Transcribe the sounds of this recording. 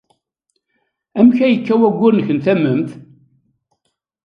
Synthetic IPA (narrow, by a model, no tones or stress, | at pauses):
æmçæjəkːæwæɡʷːʊɾnəçənt̪æməmθ